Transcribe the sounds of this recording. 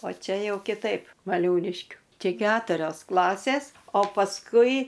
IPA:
oː ˈt͡ʃʲɛ ˈjɛʊ kʲɪˈtɐɪp ʋɐˈlʲuːlʲɪʃʲkʲʊ ˈt͡ʃʲɛ ˈkʲæːtʊrʲoːs ˈklˠɑːsʲeːs oː pɐsˈkʊɪ

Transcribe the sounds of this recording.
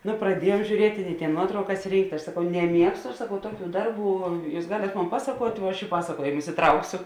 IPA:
ˈnʊ prɐˈdʲiɛjuɔm ʒʲuːˈrʲiɛtʲɪ ɪ tʲeːn ˈnuɔtrɐʊkɐs ˈrʲiːŋktʲ ɐʃ sɐˈkɐʊ nʲɛˈmʲiɛkstʊ ɐʃ sɐˈkɐʊ ˈtuɔˌkʲuː ˈdɐrˌbuː ˈjuːs ˈɡɑːlʲeːt ˈmoːn ˈpɑːsɐkuɔtʲ ʋuɔ ˈɐʃ ɪ ˈpɑːsɐˌkuɔjeːmʊs ɪˈtrɐʊksʲoː

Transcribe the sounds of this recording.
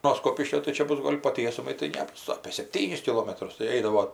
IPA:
noː ˈskoːpʲɪʃʲkʲoː tɐɪ ˈt͡ʃʲɛ ˈbʊs ˈɡoːlʲ poː ˈtʲiɛsʊmɐɪ tɐɪ ˈnʲæːbʊs ɐpʲeː sʲɛpʲˈtʲiːnʲɪs kʲɪˈlˠoːmɐtrʊs tɐɪ ˈɛɪdɐʋoː

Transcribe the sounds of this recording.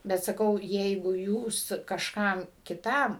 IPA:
bʲɛt ˈsɑːkɐʊ ˈjɛɪɡʊ ˈjuːs kɐʃˈkɐm kʲɪˈtɐm

